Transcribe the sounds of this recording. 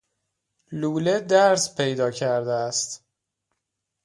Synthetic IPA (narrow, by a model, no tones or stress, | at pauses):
luːled̪æɾspʰejd̪ɒːcʰæɾd̪eæst̪